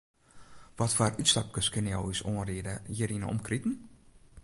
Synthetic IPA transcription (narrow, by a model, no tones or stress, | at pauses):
ʋɔtfaːrytstap̚kəskənjɔwisoənriədəjiɾinɔ̰mkritn̩